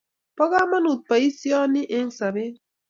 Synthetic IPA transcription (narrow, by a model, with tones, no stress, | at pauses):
pɔ˦ɣa˦ma˦nu˨t̪̚pa˨i˦sjɔ˦ni˦ʔe˦ŋsa˨be˦